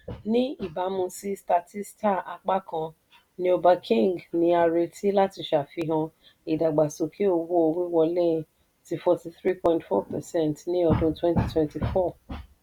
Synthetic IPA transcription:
nĩ˦i˦˨ba˨˦mũ˧si˦sta˧ti˦sta˦˨a˧k͡pa˦kã˧ | nĩ˧o˧ba˧kʰĩ˦˨ŋɡnĩ˧˦a˧ɾe˧ti˦la˦ti˧ʃa˨fi˧ɦã˧ | i˨da˨ɡ͡ba˨so˨ki˦o˧wo˦o˧wi˦wɔ˧lɛ̃˦˧ | ti˨˧fɔ˧ti˧θɾi˦pɔ̃˧˨ĩntfɔ̰˦pɛ˨sɛ̃˦˨ntnĩ˦ɔ˧dũ˦twɛ̃˦nti˦twɛ̃˦nti˨fɔ˦˨

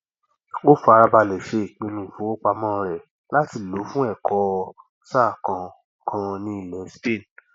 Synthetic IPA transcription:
o˦˨fa˧ɾa˧ba˧lɛ˨ʃe˧i˨k͡pĩ˧nũ˨fũ˨˦o˦k͡pa˧mɔ̃˦ɾɛ˨ | la˦ti˧lo˨˦fũ˦ɛ˦˨kʰɔ˧˦ | sa˦˨kã˧ | kʰã˧nĩ˦i˦˨lɛ̃˨˦spẽ˦˨n

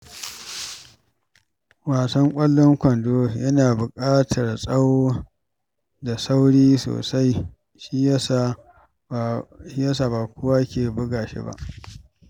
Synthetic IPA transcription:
waː˨sɐ˦ŋkʷʼɐ˦lːɔ˦ŋkʷɐ˨ndoː˦jɐ˦naː˨bʊ˨kʼaː˦tʰɐ˨rsʼɐ˦wo˦ | da˨sa˦wɽiː˦so̰ː˨sa˦j | ʃi˦a˦sa˨ | ʃi˦ja˦saː˦˨baː˨kʷʊ˦wa˦kʲeː˨bʊ˦ɡaː˨ʃḛ˦ba̰˦ʔ

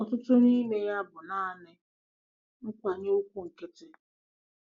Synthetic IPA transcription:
ɔ˨tʊ˦tʊ˦ni˦me˦ja˦bʊ˨na˦a˨nɪ˦ | ŋ̩˦kʷa˨ɲe˦u˦kʷu˦ŋ̩˨ke˦te˦

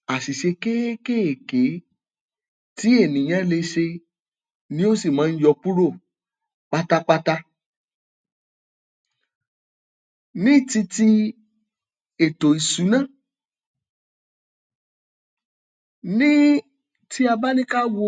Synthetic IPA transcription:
a˨si˨ʃe˧ke˦ke˦e˨ke˨˦ | ti˨˦e˦˨nĩ˨j̃ã˨˦le˧ʃe˧ | nĩ˦o˦si˦˨mãː˨˦n̩˦jɔ˧pu˦ɾo˦˨ | k͡pa˦ta˦k͡pa˦ta˦ | nĩ˦˨ti˧ti˧ | e˨to˨i˨su˨˦nã˦˨ | nĩ˦ | ti˦a˧ba˦nĩ˦ka˦wo˧

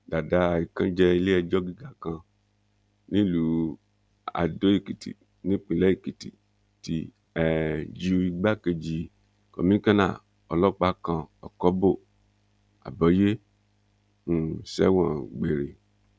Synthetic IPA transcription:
da˨da˦˨i˨kã˦d͡ʒɛ˦le˦ɛ˨d͡ʒɔ˦ɡi˦ɡa˨kã˨ | nĩ˦lu˨ | a̰˨do˦i˨ki˨tḭ˨ | nĩ˦k͡pĩ˨lɛ˦i˨ki˨tḭ˨ | ti˨ | ɛ˨d͡ʒi˨u˨i˨ɡ͡ba˦ke˨d͡ʒi˨ | kɔ˨mĩ˦kã˦nã̰˦˨ | ɔ˨lɔ˦˨k͡pa˦kã˨ɔ˨kɔ˦bo˦˨ | a̰˨bɔ˨˦je˦ | ŋu˨sɛ̰˦wɔ̃˨ɡ͡be˨ɾe˨

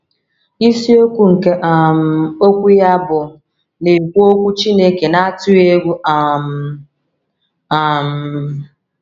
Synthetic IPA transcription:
i˦si˦o˦kʷu˦ŋ̩˨ke˦ʔa˨m̩˨o˦kʷu˦ja˦bʊ˨ | ne˨kʷu˦o˦kʷu˦t͡ʃi˦ne˦ke˨na˦a˦tʊ˦e˦ɡʷu˦ʔa˦m̩˨ | a˨m̩˨

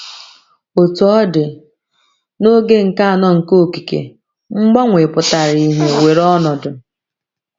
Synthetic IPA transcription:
o˨tu˨ɔ˦dɪ˨ | no˦ɡe˦ŋ̩˨ka˦a˨nɔ˦ŋ̩˨ko˦˨ki˨kḛ˨ | ŋ͡m̩˦ɡ͡ba˦ŋʷe˨pʊ˨ta˨ɾi˦ɦe˦we˨ɾɔ˦nɔ˨dʊ˨

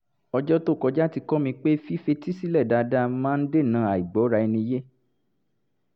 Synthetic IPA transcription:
ɔ˧d͡ʒɔ˦to˦˨kɔ˧d͡ʒa˦ti˧kɔ˦mĩ˧k͡pe˦fi˦fe˧˦ti˦si˦lɛ˦˨da˧da˧mãː˦n̩˦de˦˨nãː˧˦a˨i˨ɡ͡bɔ˨˦ɾa˧i˧nĩ˧˦je˦

